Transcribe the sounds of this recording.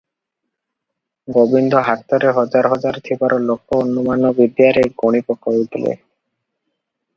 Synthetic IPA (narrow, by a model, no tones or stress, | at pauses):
ɡobind̪ʱoɦaɾt̪ːaɾeɦɔd͡ʑaɾɦɔd͡ʒaɾt̪ʰibaɾolokːoonːumanobid̪jaɾeɡoɽ̃ipɔkoid̪ilḛ